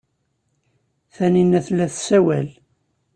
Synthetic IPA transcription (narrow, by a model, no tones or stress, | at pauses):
θæninæθlːæθsæwæl